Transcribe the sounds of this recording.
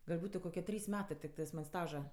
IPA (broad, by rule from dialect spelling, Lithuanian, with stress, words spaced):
ɡɐlʲ ˈbuːtʊ koːˈkʲiɛ ˈtʲrʲiːs ˈmʲæːtɜ tʲɪkˈtɜs mɐnʲ ˈstɑːʒɐ